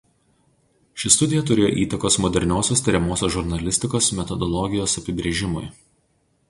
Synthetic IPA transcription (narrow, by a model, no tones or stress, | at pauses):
ʃʲɪst̪ʊd̪ʲɪjɛt̪ʊɾʲeːjo̰ːʔiːt̪ɐkoːsmɔd̪ʲɛɾʲnʲoːsʲoːst̪ʲɐɾʲɛmoːsʲoːʒʊɾʲnɐlʲɪsʲt̪ʲɪkoːsmʲɛt̪ɔd̪ɔlˠɔɡʲɪjoːsɐpʲɪbʲɾʲeːʒʲɪmʊ̰j